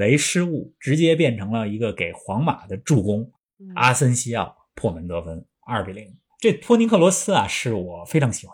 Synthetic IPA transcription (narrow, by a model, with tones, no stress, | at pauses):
e˧˥ɪʂɻ̩˥u˥˩ʈ͡ʂɻ̩˧˥t͡ɕjɛ˥pjɛ˥˩nʈ͡ʂʰɤ˧˥ŋlə˧i˧˥ɡə˧ke˨˩ɪxwɑ˧˥ŋma̰˨˩d̪ə˦ʈ͡ʂu˥˩kʊ˥ŋ | a˥sə˥nɕi˥jɑ˥˩ʊ | pʰwɔ˥˩mə˧˥nt̪ɤ˧˥fə˥n | a˞˥˩pɛ˧˥li˧˥˩ŋ | ʈ͡ʂe˥˩t̪ʰwɔ˥ni˧˥ŋkʰɤ˥˩lwɔ˧˥sɹ̩˥ɐ˨ʂɻ̩˥˩wɔ˨˩fe˥ɪʈ͡ʂʰɑ˧˥ŋɕʰi˨˩xa˦˥